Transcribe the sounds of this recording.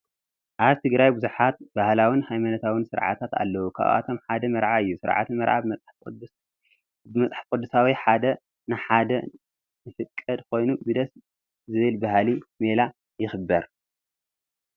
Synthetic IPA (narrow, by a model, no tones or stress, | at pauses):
ʔaβt̪ʰɨɡɾajbuzuħat̪̚bahlawinhajmanɐt̪ʰawinsɨɾʕa̰t̪ʰat̪a̰lːɐwukʰa̰βʔa̰t̪ʰo̞mħad̪ɐmɐɾʕaɨjːusɨɾʕa̰t̪ɨnmɐɾʕa̰bmɐt͡sʼħʼ | bɨmɐt͡sʼħt̪kʼɨd̪ːusawiħad̪ɐ | nɨħad̪ɐ | nɨfɨkʼːɐd̪̚kʰo̞jnubɨd̪ɐs | zɨβɨlbahlimela | jɪxɨbːɐɾ